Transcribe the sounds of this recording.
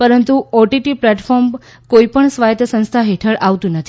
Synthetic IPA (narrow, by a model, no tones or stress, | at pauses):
pəɾənt̪uoʈiʈiplɛʈfʰɔɾm | koipəɳsʋajət̪jəsə̃nst̪ʰaɦeʈʰəɭʔaʋt̪ũnət̪ʰi